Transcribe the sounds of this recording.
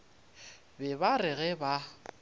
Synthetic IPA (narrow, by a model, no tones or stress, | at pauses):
bɛbarɪɣɛba